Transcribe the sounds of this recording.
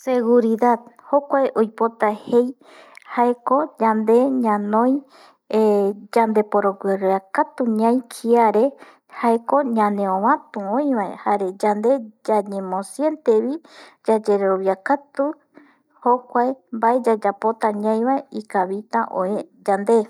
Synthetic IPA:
seɣuɾiðaðho̞kʷaeʔojpo̞t̪ahe̞j | haeko̞d͡ʒand̪e̞ɲãnõj̃ | d͡ʒand̪e̞poɾoɡweɾakat̪uɲãj̃kʰiaɾe̞ | haeko̞ɲãnẽõβãt̪ũõĩβaḛhaɾe̞d͡ʒand̪e̞d͡ʒaɲẽmõsje̞nt̪eβid͡ʒad͡ʒe̞ɾeɾoβjiakat̪u | hokʷaembaed͡ʒad͡ʒapot̪aɲãj̃βaeikaβit̪aʔoed͡ʒand̪e

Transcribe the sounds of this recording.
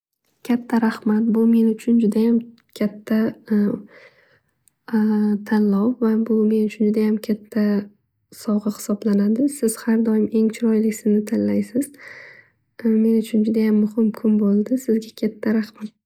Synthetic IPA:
kʲʰat̪ʰːaɾahmat̪̚bʊme̞nʊt͡ʃʰʊnd͡ʒʊd̪ajam | kʲʰat̪ʰːa | t̪ʰanlɒwvabʊme̞nʊt͡ʃʰʊnd͡ʒʊd̪ajamkʲʰat̪ʰːa | sɒʁɨhɪ̥sɒblanad̪ɪsɪz̥haɾd̪ɒjɪme̞ŋt͡ʃʰɪɾɒjlɪkʲsɪznɪt̪ʰanlajsɪz̥ | me̞nʊt͡ʃʰʊnd͡ʒʊd̪ajamːʊhɪmkʰʊmbolˠd̪ɪsɪzɡʲakʲʰat̪ʰːaɾahmat̪̚

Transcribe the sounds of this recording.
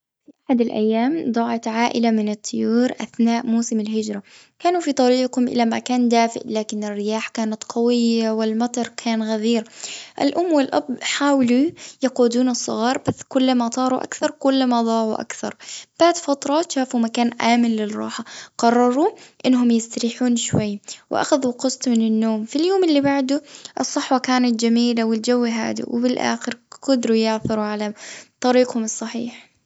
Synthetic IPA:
fiʔaħad̪alʔa̰jːaːmd̪ˤɑːʕɑt̪ʕaːʔɪ̰lamɪnɨt̪ʰˤːʊjuːɾʔa̰θnaːʔmuːsɪmɪlɦɪd͡ʒɾˤa | kaːnufit̪ˤɑɾiːqhʊmʔɪ̰lamakaːnd̪aːfɪ̰ʔlaːkɪnɪrːɪjaːħkaːnat̪qʰɑwɪjːawɪlmɑt̪ˤɑɾˤkʰaːnɣaðiːɾʔɪ̰lʔʊmːwɪlʔa̰bħaːwlujɑquːd̪uːnɨsˤːʊ̰ɣɑːɾˤbasːkʊlːmat̪ˤɑːɾˤuʔa̰kθɑɾˤkʊlːmad̪ˤɑːʕuʔa̰kθɑ̰ɾˤb̥aʕd̪fɑt̪ɾˤɑːt̪ʃaːfumakaːnʔaːmɪnlɪrˤːɑ̰ːħaqɑrˤːɑɾˤuʔɪnːɦʊmjɪst̪aɾiħuːnʃwajːwɪ̰ʔa̰xaðuqɨsˤt̪mɪnɪnːoːmfiljoːmʔɪlːibaʕd̪ʊʔɨsˤːɑħwɑkaːnat̪̚d͡ʒamiːlawɪld͡ʒawːɦa̰ːd̪ḭwɪ̰bɪlʔa̰ːxɪɾqɑd̪ɾujɪʕθɪɾuʕalat̪ˤːɑɾiːqhʊmɨsˤːɑħḭːħ

